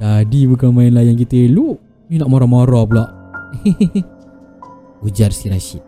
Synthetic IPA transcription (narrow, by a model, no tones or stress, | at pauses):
dadibukamãinlajank̬it̪əlu | junaʔmoɾamoɾɔp̬əlaʔ | ud͡ʒarsiɾaʃiʔ̚